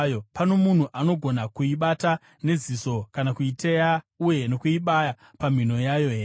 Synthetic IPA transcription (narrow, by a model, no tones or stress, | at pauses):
jopano̞mun̤uʔano̞ɡʱo̞nakuiɓata | ne̞ziso̞kanakuiteja | uje̞no̞kuiɓaja | pam̤ino̞jajo̞ɦere